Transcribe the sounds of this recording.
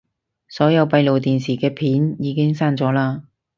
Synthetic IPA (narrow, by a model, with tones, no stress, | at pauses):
sɔː˨˥jɐ˨˧wpɐ˧jlo˨wt̪iː˨nsiː˨˩kɛː˧pʰiː˨˥njiː˨˧kɪ˥ŋsaː˥nt͡sɔː˨˥laː˧